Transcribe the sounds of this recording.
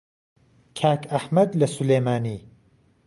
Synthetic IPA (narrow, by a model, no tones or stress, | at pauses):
kʰaːkɐħmɐd̪lɐsulejmaːniː